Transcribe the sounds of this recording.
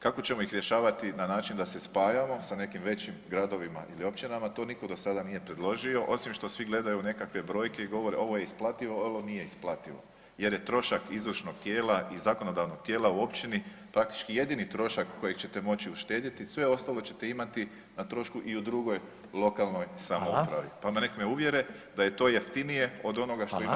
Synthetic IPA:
kako̞t͡ɕe̞mo̞ixɾʲje̞ʃaːʋat̪inanaːt͡ʃind̪ase̞spaːjamo̞sane̞kimʋe̞t͡ɕimɡɾad̪o̞ʋima̰ʔilio̞p̚t͡ʃinamat̪o̞niko̞d̪o̞sad̪anije̞pɾe̞d̪lˠo̞ʒio̞ʔo̞simʃt̪o̞sʋiɡle̞d̪ajune̞kakʋe̞bɾo̞ːjke̞iɡo̞ʋo̞ɾeo̞ʋo̞je̞isplˠat̪iʋo̞olonije̞isplˠat̪iʋo̞̰ | je̞ɾje̞t̪ɾo̞ʃakizʋr̩ʃno̞ɡ̚t̪jeːlaʔizako̞no̞d̪aʋnoɡ̥̚t̪ʲjeːlauo̞pt͡ʃinipɾak̚t̪i̥t͡ʃkije̞d̪init̪ɾo̞ʃakːo̞jekt͡ɕe̞t̪e̞mo̞t͡ɕiuʃt̪e̞ːd̪it̪isʋe̞o̞st̪alo̞t͡ɕe̞t̪e̞imat̪i | nat̪ɾo̞ʃkuʔiud̪ɾuɡo̞j | lˠo̞kalˠno̞jsamoupɾa̰ʋipamanekmeuʋje̞ɾed̪aje̞t̪o̞ːjeft̪inije̞o̞d̪o̞noɡaʃt̪oi

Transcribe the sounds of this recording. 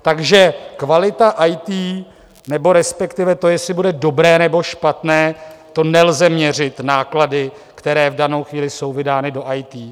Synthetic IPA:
t̪aɡʒɛkvalɪt̪aʔajt̪iː | nɛbo̞ɾɛspɛkt̪ɪvɛt̪o̞jɛslɪbudɛdo̞bɾɛːnɛbo̞ʃpat̪nɛːt̪o̞nɛlzɛmɲɛr̝ɪt̪naːkladɪ | kt̪ɛɾɛːvdano̞wxviːlɪso̞wvɪdaːnɪdo̞ʔajt̪iː

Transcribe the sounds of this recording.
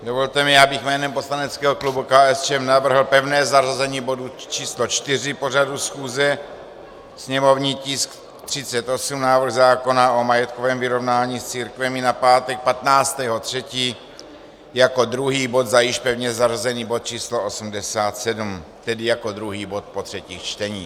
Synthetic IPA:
dovolt̪ɛmɪjaːbɪxmɛːnɛmpo̞slanɛt͡skɛːɦoklubukaːɛst͡ʃɛmnavr̩ɦl̩pɛvnɛːzarazɛɲiːbo̞dut͡ʃiːslot͡ʃt̪ɪr̝ɪpo̞r̝adusxuːzɛ | sɲɛmo̞vɲiːcɪsk | t̪r̝̥ɪt͡sɛt̪ʔo̞sumnaːvr̩ɣzaːko̞naʔomajɛt̪kovɛːmvɪɾo̞vnaːɲiːst͡siːɾkvɛmɪnapaːt̪ɛk̚pat̪naːt͡st̪ɛːɦo̞t̪r̝̥ɛciː | jako̞d̪ɾuɦiːbo̞t̪zajɪʃpɛvɲɛzarazɛniːbot̪̚t͡ʃiːsloosumdɛsaːt̪sɛdumt̪ɛdɪjako̞d̪ɾuɦiːbo̞t̪̚pot̪r̥ɛciːxt͡ʃt̪ɛɲiː

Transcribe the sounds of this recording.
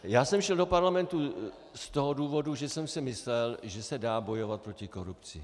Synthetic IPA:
jaːsɛmʃɛldo̞paɾlamɛnt̪u | st̪o̞ɦoduːvo̞duʒɛsɛmsɪmɪslɛlʒɛsɛdaːbo̞jo̞vat̪̚pɾo̞cɪko̞ɾupt͡sɪ̰

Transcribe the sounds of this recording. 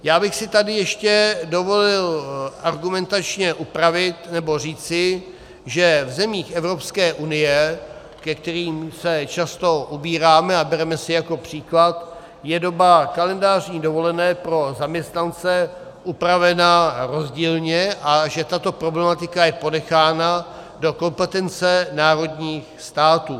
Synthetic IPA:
jaːbɪxsɪt̪adɪjɛʃcɛdo̞vo̞lɪlʔaɾɡumɛnt̪at͡ʃɲɛʔupɾavɪt̪nɛbo̞r̝iːt͡sɪ | ʒɛvzɛmiːxɛvɾo̞pskɛːʔunɪjɛ | kɛk̚t̪ɛɾiːmsɛt͡ʃast̪o̞ʔubiːɾaːmɛabɛɾɛmɛsɪjako̞pr̝̥iːklat̪ | jɛdo̞bakalɛndaːr̝ɲiːdovo̞lɛnɛːpɾo̞zamɲɛst̪nant͡sɛ | ʔupɾavɛnaɾo̞zɟiːlɲɛʔaʒɛt̪at̪o̞pɾo̞blɛmat̪ɪkajɛpo̞dɛxaːnado̞ko̞mpɛt̪ɛnt͡sɛnaːɾo̞dɲiːxst̪aːt̪uː

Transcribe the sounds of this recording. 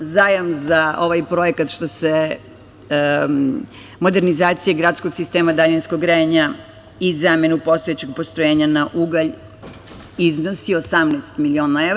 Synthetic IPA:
zajamzao̞ʋajpɾo̞ekat̪ʃt̪o̞se | mo̞d̪e̞ɾnizaːt̪sijeɡɾat̪sko̞ɡsist̪eːmad̪aʎinskoɡɾeɲa | izame̞nupo̞st̪o̞et͡ɕeɡpost̪ɾojeːɲanaʔuɡaʎ | izno̞siosamnest̪milionae

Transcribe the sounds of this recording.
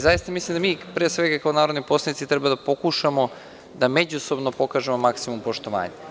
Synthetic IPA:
zajist̪amislimd̪amiːpɾesʋeɡakaonaːɾod̪nipo̞slˠanit̪sit̪ɾɛbad̪apo̞kuʃamo̞ | d̪amed͡ʑuso̞bnopo̞kaːʒemo̞maksimumpo̞ʃt̪oʋa̰ːɲe

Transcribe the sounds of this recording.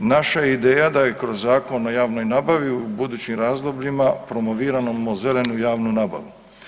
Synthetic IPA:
naʃajeid̪eːjad̪aje̞kɾo̞zːaːko̞no̞jaːʋno̞jnaːbaʋiubud̪uːt͡ɕimɾaːzd̪o̞bʎimapɾo̞moʋiːɾanomoze̞le̞nujaːʋnunaːba̰ʋu

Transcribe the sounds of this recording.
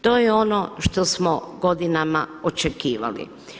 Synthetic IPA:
t̪o̞ːjɛo̞noʃt̪osmoɡo̞d̪inama̰ot͡ʃekiːʋa̰lḭ

